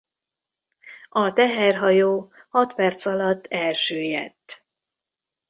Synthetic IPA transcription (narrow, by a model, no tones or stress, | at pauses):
ɒt̪ɛɦɛrɦɒjoː | hɒt̪pɛrt̪sɒlɒt̪ːɛlʃøːjɛ̰t̪ː